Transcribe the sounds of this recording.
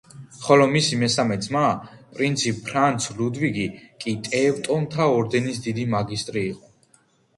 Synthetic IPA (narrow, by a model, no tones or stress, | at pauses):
χɔlɔmisimɛsamɛd̪zmapʼɾint̪sʰipʰːɾant̪sʰlud̪viɡikʼit̪ʼɛvt̪ʼɔmt̪ʰaɔɾd̪ɛnisd̪id̪imaɡist̪ʼɾiːqʼɔ